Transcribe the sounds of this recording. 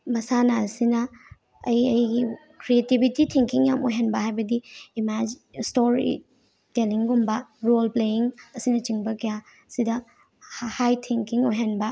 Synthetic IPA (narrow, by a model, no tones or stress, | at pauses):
mɐsanaɐsinɐː | jɐjɡi | kɾietibititʰiŋkiŋjamojɦanbɐɦajbɐdiːmad͡ʒ | stoɾḭ | teliŋɡumbɐɾolplejiŋɐsinɐt͡ʃiŋbɐkɐja | sidɐ | hhajtʰiŋkiŋojɦanbɐ